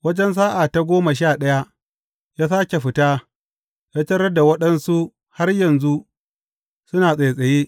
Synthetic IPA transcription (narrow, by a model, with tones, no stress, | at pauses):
wɐ˦d͡ʒɛ˦ns̬aː˦ʔaː˨ta˦ɡʷoː˦ma˨ʃ̬aː˦˨ɗɐ˦ja˦ | jaː˦saː˦kʲe˨ɸɪ˨taː˦ | jaː˦tɐ˦ɾɐ˦da˨wɐ˦ɗɐ˦nsu˦ | ha˦rjɐ˨nzu˦ʔ | sʊ˦naː˨sʼe˨sʼɐ˨jeː˦